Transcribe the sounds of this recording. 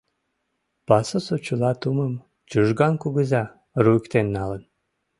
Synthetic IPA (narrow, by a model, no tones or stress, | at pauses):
pɑsosot͡ɕulɑt̪uməm | t͡ɕuʒɡɑnkuɣəzɑ | ruəkt̪enːɑlən